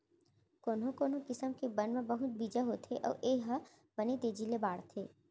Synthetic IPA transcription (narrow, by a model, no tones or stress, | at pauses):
koːnɦõkoːnõkɪsəmkebɐnmẽbɐɦʊt̪̚biːd͡ʒəɦot̪ʰeʔɔ̰ːʔeːɦə | bɐnet̪eːd͡ʒilebaːɽt̪ʰeː